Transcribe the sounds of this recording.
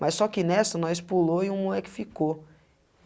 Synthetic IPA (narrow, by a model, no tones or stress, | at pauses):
mɐssːɔkɪnɛsɐnɔ̃ɪspuloɪũmuɛkɪ̥fiko